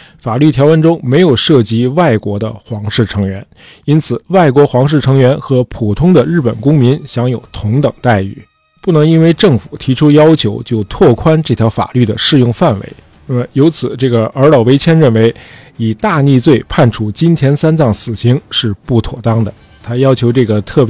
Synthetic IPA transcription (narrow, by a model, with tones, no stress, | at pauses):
fa˨˩ly˥˩jɑ˧˥ʊwə˧˥˩nʈ͡ʂʊ˥ŋme˧˥ɪjo˨˩ʊʂɤ˥˩t͡ɕi˧˥wa˥˩ɪkwɔ˧˥d̪ə̰˧xwɑ˧˥ŋʂɻ̩˥˩ʈ͡ʂʰɤ˧˥ŋɥɛ˧˥n | i˥nt͡sʰɹ̩˨˩wa˥˩ɪkwɔ˧˥xwɑ˧˥ŋʂ̬ɻ̩˥˩ʈ͡ʂʰɤ˧˥ŋɥɛ˧˥nxɤ˧˥pʰu˨˩t̪ʰʊ˥ŋd̪ə˨ɻɻ̩˥˩pə̰˨˩nkʊ˥ŋmi˧˥nɕjɑ˧˥ŋjo˨˩ʊt̪ʰʊ˧˥ŋt̪ɤ˨˩ŋt̪a˥˧ɪy̰˥˩˦ | pu˥˩nɤ˧˥ŋi˥nwe˥˧ɪʈ͡ʂɤ˥˩ŋfu˨˩t̪ʰi˧˥ʈ͡ʂʰu˥jɑ˥ʊt͡ɕʰjo˧˥ʊt͡ɕjo˥˧ʊt̪ʰwɔ˥˩kʰwa˥nʈ͡ʂɤ˥˩t̪ʰjɑ˧˥ʊfa̰˨˩ly˥˩d̪ə˩ʂɻ̩˥˧jʊ˥˧ŋfa˥˩nwḛ˧˥ɪ˥˩˧ | jo˧˥ʊt͡sʰɹ̩˨˩ʈ͡ʂɤ˥˩ɡə˩ə˞˧˥lɑ˨˩ʊwe˥ɪt͡ɕʰjɛ˥nɻə˥˩nwe˧˥ɪi˨˩t̪a˥˧ni˥˧t͡swe˥˧ɪpʰa˥˩nʈ͡ʂʰu˧˥˩t͡ɕi˥nt̪ʰjɛ˧˥nsa˥nt͡sɑ˥˩ŋsɹ̩˨˩ɕi˧˥ŋʂɻ̩˥˧pu˥˩t̪ʰwɔ̰˨˩t̪ɑ˥ŋd̪ə̰˨ | t̪ʰa˥jɑ˥ʊt͡ɕʰjo˧˥ʊʈ͡ʂɤ˥˩ɡə˩t̪ʰɤ˥˩p